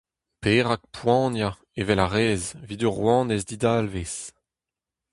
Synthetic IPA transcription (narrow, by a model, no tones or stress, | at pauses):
peːʁak̚pwɑ̃ːnja | evɛlaʁeːzvid̪øʁwɑ̃ːnɛzd̪id̪alves